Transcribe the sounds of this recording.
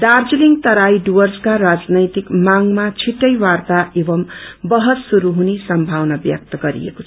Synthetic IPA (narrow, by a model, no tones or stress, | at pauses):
dard͡ziliŋt̪ʌɾajɖuʌrskaɾad͡znʌjt̪ikmaŋmat͡sʰiʈːʌjwart̪aʔebʌmbʌɦʌt̪suɾuɦunisʌmbʱawnʌbjʌ̰k̚t̪ʌɡʌɾḭḛko̥t͡sʰʌ